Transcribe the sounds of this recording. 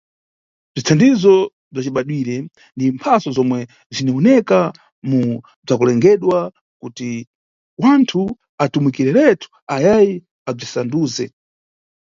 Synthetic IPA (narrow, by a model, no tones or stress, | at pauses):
b͡ʐitʰandizɔ | b͡ʐat͡ʃiɓaɗwiɾɛ | ndimpʰasɔzɔmwɛ | ziniɔnɛka | mu | b͡ʐakulɛŋɡɛɗwa | kuti | wantʰu | atumwikiɾɛɾɛtʰu̥ | ajaji | ab͡ʐisanduːzɛ